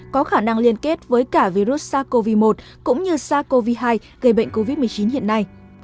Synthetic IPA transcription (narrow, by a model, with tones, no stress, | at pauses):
kɔ˨˦xaː˧˩na˧ŋli˧ənke˦˥t̚vəː˨˦jkaː˧˩vi˧ɾu˦˥t̚saː˧˥ko˧vi˧mo˨˩t̚ | kʊ̰˧˥ŋ͡mɲɨ˧saː˧˥ko˧vi˧ɦaː˧j | ɣə˨˩jɓə̰˧˨ŋ̟ko˧vi˦˥t̚mɨ˨˩ət͡ɕi˨˦nhḭ˧˨ənːa˧j